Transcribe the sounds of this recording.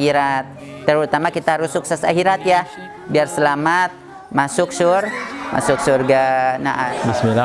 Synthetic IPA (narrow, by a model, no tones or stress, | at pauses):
iɾat̪̚ː | əɾut̪amakit̪aɾusʊk̚sasaɦiɾat̪jah | biarsəlamat̪̚ | masʊk̚sʊrma̰sʊksurɡanaʔabismila